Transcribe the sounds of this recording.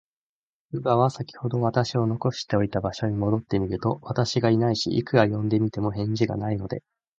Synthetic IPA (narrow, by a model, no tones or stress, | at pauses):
ɯ̟baβ̞asakʲi̥ho̞d̪o̞β̞at̪aɕio̞no̞ko̞ɕi̥t̪e̞o̞it̪abaɕo̞ɲ̟imo̞d̪o̞t̪ːe̞mʲiɾɯ̟t̪o̞βat̪aɕiɡainaiɕḭʔḭkɯ̟ɾajõ̞nd̪e̞mʲit̪e̞mo̞ɦẽ̞ɲ̟d͡ʑiɡa̰naino̞d̪e̞̰